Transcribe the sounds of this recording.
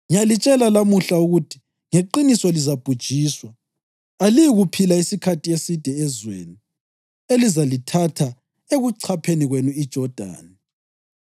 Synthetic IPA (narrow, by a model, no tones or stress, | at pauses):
ŋijalit͡ʃʼɛlalamuɬauɣutʰi̥ | ŋeǃinisɔlizab̥ʱud̥ʒ̥ʱiːswa | alijiɣupʰilaisikʰatʰiesid̥ʱɛɛzwḛni | elizalitʰatʰa | eɣuǀʰapʰeniɣwenuid̥ʒ̥ʱɔd̥ʱa̰ːnɛ